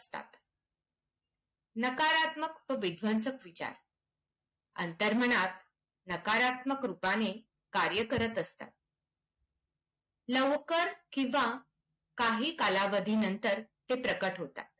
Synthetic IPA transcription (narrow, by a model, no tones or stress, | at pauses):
st̪a̰t̪ | nəkaɾat̪məkpəʋid̪ʱʋənsəkʋit͡ɕa̰ɾ | ə̰nt̪əɾməɽ̃at̪ | nəkaɾat̪məkɾupane | kaɾjəkəɾət̪əst̪a̰t̪̚ | ləʋkəɾkĩʋa | kaɦiːkalaʋəd̪ʱiːnənt̪əɾt̪epɾəkəʈɦot̪a̰t̪̚